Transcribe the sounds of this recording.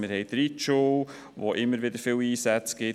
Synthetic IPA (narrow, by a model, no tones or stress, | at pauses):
mɪɾhɛɪtdɾitʃu | ʋoːʔɪmːəɾʋɪd̪əɾfɪliːsæt͡sɡ̥ɪ